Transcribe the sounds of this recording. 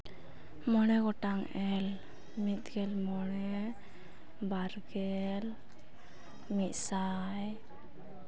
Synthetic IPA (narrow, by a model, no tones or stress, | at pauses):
mɔnɛɡɔʈaŋɛl | mit̪̚ɡɛlmɔnɛ | baɾɡɛl | mit̪̚ˀsa | j